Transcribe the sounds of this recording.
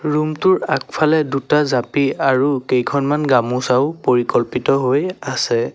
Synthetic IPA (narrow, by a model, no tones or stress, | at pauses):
ɹumtʊɹakpʰalɛdutazapiaɹukejkʰɔnmanɡamusaʊpoɹikɔlpitɔɦojasɛ